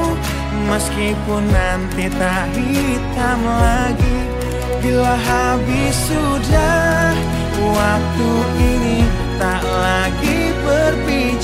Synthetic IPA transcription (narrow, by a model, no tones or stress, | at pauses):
məskipʊnːant̪it̪a | di | t̪amlaɡi | bilaɦabisu | dah | wak̚t̪uʔini | t̪aʔla | ɡi | bərbi | t͡ʃ